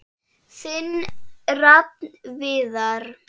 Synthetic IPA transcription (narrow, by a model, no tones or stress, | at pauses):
sɪnrap̚nvɪðaɾ̥